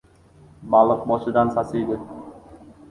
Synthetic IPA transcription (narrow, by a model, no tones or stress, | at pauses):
bɑlˠɤq̚bɒʃɤ̆d̪ɑnsɑsijd̪ɪ